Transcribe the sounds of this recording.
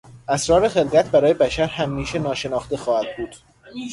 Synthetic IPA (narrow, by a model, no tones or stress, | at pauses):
ʔæsɾɒːɾe̞xe̞lɡæt̪̚ʰbæɾɒːje̞bæʃæɾhæmːiːʃenɒːʃe̞nɒːxt̪e̞xɒːhæd̪̚buːd̪̥